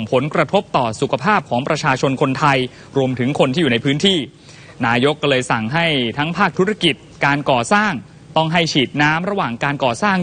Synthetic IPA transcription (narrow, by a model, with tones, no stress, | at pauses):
mpʰo˩˦nkɾa˧t̪ʰo˦˥p̚t̪ɔː˨˩su˨˩kʰa˧pʰaː˥˩p̚kʰɔː˩˦ŋpɾa˧t͡ɕʰaː˧t͡ɕʰo˧nkʰo˧nt̪ʰa˧j | ɾu˧əmt̪ʰɯ˩˦ŋkʰo˧nt̪iː˥˩uː˨˩na˧jpʰɯː˦˥nt̪ʰiː˥˩ | naː˧jo˦˥kːlɤː˧jsa˨˩ŋɦa˥˩jt̪ʰa˦˥ŋpʰaː˥˩k̚t̪ʰu˦˥ɾa˧ki˨˩t̪̚kaː˧nkɔː˨˩saː˥˩ŋ | t̪ɔ˥˩ŋɦa˥˩jt͡ɕʰiː˨˩t̪̚naː˦˥mɾa˧waː˨˩ŋkaː˧nkɔː˨˩saː˥˩ŋ